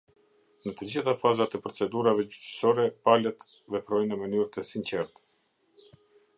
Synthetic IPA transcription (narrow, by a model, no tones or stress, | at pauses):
nət̪əd͡ʑiθafazat̪ɛpɾɔt͡sɛd̪uɾavɛd͡ʑyt̪ə̥sɔɾɛpalət̪ | vɛpɾɔjnəmənyɾt̪əsint͡ɕɛɾt̪